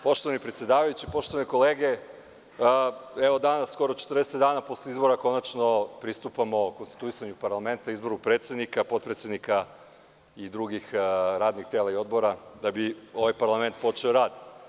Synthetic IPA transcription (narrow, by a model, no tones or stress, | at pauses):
po̞ʃt̪oanipɾet̪sje̞d̪aːʋajut͡ɕipo̞ʃt̪o̞ʋaniko̞le̞ːɡe | eʋod̪anassko̞ɾot͡ʃe̥t̪əɾd̪eset̪d̪aːnapo̞sleizbo̞ɾako̞nat͡ʃno̞pɾist̪upamoko̞nst̪i̥t̪uisaɲupaɾlˠame̞nt̪aizbo̞ɾupɾet̪sje̞d̪nikapo̞t̪pɾet̪sje̞d̪nika | id̪ɾuɡixɾaːd̪nixt̪e̞ːlaio̞d̪boɾad̪abio̞ʋajpaɾlˠame̞nt̪po̞t͡ʃeoɾaːd̪i